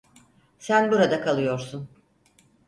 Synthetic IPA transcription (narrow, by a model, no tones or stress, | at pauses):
sænbuɾad̪akʰalˠɯjo̞ɾsun